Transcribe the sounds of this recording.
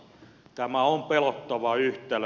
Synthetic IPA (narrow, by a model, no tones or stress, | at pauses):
t̪æmæompelot̪ːɑʋɑyht̪ˑel